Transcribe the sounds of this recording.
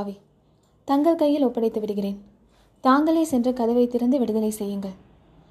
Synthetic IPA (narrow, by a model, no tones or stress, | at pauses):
ʋi | t̪ɐŋɡɐɭkɐjːɪlɔpːɐɽɐɪt̪ːɐʋɪɽɯɣɪreːn | t̪aːŋɡɐɭeːsɛndrɐkɐðɐʋɐɪt̪ːɪɾɐnd̪ɯʋɪɽɯðɐlɐɪsɛjːɯŋɡɐɭ